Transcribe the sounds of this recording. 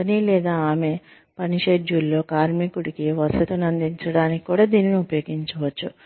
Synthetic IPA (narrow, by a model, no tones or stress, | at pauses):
ɐnilɛːd̪aːaːme̞ | pɐniʂeːd͡ʒuːlːo̞ːkaːɾmikuɽikiʋɐsɐt̪unɐnd̪iɲt͡ʃɐɽaːniki̥kuːɽaːd̪iːniniupɐjoːɡiɲt͡ʃɐʋɐt͡ʃːu